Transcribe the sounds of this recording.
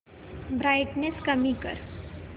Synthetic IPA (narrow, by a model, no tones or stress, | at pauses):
bɾaɪʈneskəmikə̰ɾ